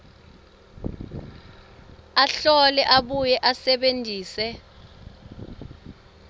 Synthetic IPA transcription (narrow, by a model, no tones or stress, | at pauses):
aɬɔlɛʔaɓujɛʔasɛɓentiːsɛ